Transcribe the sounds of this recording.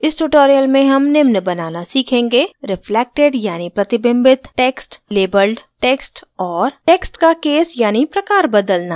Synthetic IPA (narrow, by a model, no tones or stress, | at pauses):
ɪsʈuʈoːɾijəlmẽɦɐmnɪmnəbɐnaːnasiːkʰẽːŋɡeɾɪfʰleːk̚ʈeɖjaːnipɾɐt̪ɪbə̃mbɪt̪ʈeːksʈleːbəlɖʈeːksʈɔːɾʈeːksʈkakeːsjaːnipɾɐkaːɾbɐd̪əlnaː